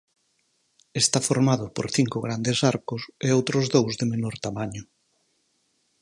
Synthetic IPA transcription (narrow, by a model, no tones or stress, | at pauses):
est̪afoɾmaðʊpo̰ɾθiŋkʊɣɾand̪esaɾkʊseowt̪ɾʊzðowzðemenoɾt̪amaɲʊ